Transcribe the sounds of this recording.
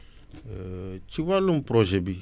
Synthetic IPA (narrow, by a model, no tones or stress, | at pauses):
t͡ʃiwalumpɾɔʒɛbi